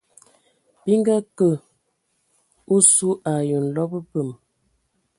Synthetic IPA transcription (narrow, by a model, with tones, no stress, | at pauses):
bi˦ŋ˦ɡa˦kə˨ | o˦su˦ʔa˨jə˨n̩˨lɔ˦bə˦pə˨m